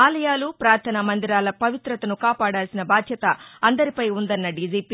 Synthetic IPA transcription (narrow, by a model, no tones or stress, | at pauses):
aːlɐjaːlupɾaːɾt̪ʰɐnɐmɐnd̪iɾaːlɐpɐʋit̪ɾɐt̪ɐnukaːpaːɽaːlsinɐbaːd̪ʱjɐt̪ɐɐnd̪ɐɾipɐjund̪ɐnːɐɖiːd͡ʒiːpi